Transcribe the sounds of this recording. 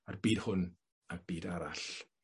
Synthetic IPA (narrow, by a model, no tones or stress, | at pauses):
arbiːd̥hʊn | arb̥iːdaɾaɬ